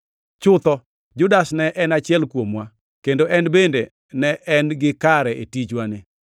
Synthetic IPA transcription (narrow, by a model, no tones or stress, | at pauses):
t͡ʃʊt̪ɔ | d͡ʒʊdasnɛʔɛnat͡ʃɪɛlkwomwa | kendoʔɛnbende | nɛʔɛnɡɪkaɾɛʔḛtit͡ʃwanɪ